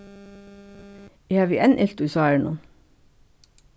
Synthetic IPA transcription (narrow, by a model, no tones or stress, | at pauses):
eːhɑːʋiːʔɛnʔɪlt̪uiːsɑːɛɳʊ̰n